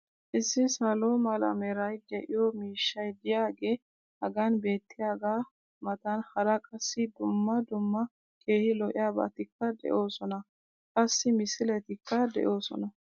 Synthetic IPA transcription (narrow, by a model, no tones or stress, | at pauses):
ʔɪsːɪsɐloːmɐlɐ̰mɛɾɐjd̪ɛʔɪjɔmiːʃːɐjd̪ɪjaːɡe̞ː | hɐɡɐnbe̞ːt̪ːɪjaːɡaː | mɐt̪ɐnhɐɾɐkʼɐsːɪd̪ʊmːɐd̪ʊmːɐ | kʼe̞ːhɪlɔʔɪjaːbɐ̰t̪ɪkːɐd̪ɛ̰ʔo̞ːsɔnɐ | kʼɐsːɪmɪsɪlɛt̪ɪkːɐd̪ɛ̰ʔo̞ːsɔ̰nɐ